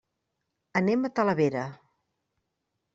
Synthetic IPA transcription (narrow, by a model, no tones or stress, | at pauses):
ənemət̪ələβeɾə